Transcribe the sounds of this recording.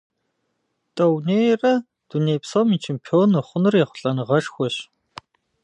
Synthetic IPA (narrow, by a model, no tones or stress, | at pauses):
tʼɐwneːjrɐ | d̥uneːjpsomit͡ʃʰeːmpʰionːɨχʷʊnɨrjɛχʷʊ̥ɬʼɐnɨʁɐʂxʷɔɕ